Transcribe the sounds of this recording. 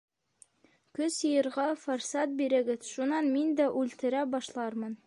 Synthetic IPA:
kɵsjɤ̆jɤ̆ɾʁɑfoɾsɑt̪̚biɾɘ̆ɡɘðʃunɑnmind̪æʔʉlt̪ɘ̆ɾæbɑʃlˠɑɾmɤn

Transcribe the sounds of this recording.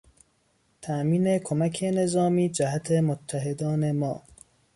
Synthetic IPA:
t̪ʰæʔmiːne̞kʰomækʰene̞zɒːmiːd͡ʒæhæt̪ʰe̞mot̪ʰːæɦed̪ɒːne̞mɒ̰ː

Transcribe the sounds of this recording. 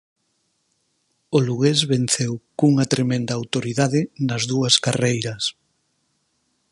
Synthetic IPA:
oluɣezβen̟θewkuŋɐt̪ɾemẽnd̪ɐːwt̪oɾiðaðɪnɐzðuɐskarejɾɐs

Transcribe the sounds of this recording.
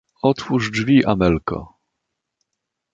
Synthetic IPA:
ɔt̪fuʐd͡ʐvʲiʔamɛlkɔ̰

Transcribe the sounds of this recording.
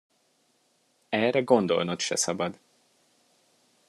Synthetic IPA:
ɛːrɛɡo̞nd̪o̞̰lnot̪ʃɛ̰sɒbɒd̪

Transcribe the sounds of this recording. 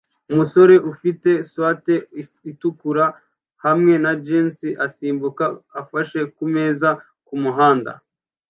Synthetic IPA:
umuso̞ɾe̞ʔufite̞swaːte̞ | itukuɾa | hamŋe̞nad͡ʒeːnsiʔasiːmbukaːfaʃe̞kume̞ːza | kumuɦaːnda̰

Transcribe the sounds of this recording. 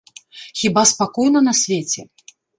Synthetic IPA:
xʲibaspakɔjnɐnɐsʲvʲet͡sʲɛ

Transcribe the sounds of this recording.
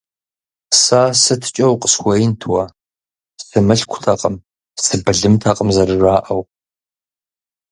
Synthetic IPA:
saːsɨtʰɨ̥t͡ʃʼɐwqʼə̥swʷɐjɪntʰwɐ | sɨmɨɬkʷʰʊ̥tʰaqʼəm | sɨbɨɮɨmtʰaqʼəmzɐrɨraːʔɐw

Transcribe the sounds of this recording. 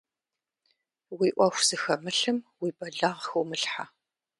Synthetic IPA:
wiʔʷɐxʷz̥ɨxɐmɨɬɨmwiːbɐɮaʁxɐwmɨɬħa

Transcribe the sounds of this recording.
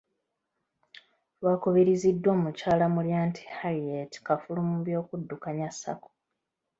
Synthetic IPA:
wakoβeɾizidːwo̞ːmucaːlamuljaːntʰi̥haɾietkafulumuβjo̞ːkudːukaɲasːa̰ko̥

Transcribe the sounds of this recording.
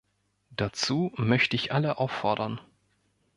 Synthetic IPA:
d̥at͡suːmœçtəɪçʔaləʔaʊfɔɐdɐn

